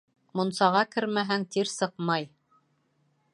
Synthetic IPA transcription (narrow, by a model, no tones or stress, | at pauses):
mŏnsɑʁɑkɘɾmæɦæŋt̪iɾsɤqmɑj